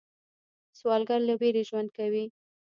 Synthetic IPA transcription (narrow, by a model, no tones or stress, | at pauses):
swɑlɡaɾlabeɾeʒwand̪̚kawi